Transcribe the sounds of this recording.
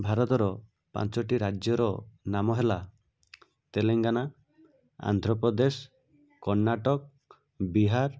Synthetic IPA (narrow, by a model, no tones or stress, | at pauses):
bʱaɾɔt̪ɔɾɔ | pa̰nt͡ʃɔʈiɾad͡ʒjɔɾɔnamɔɦela | t̪eleŋɡana | a̰nd̪ʱɾɔpɔd̪es | kːɔɾnaʈɔk̚ | biɦaɾ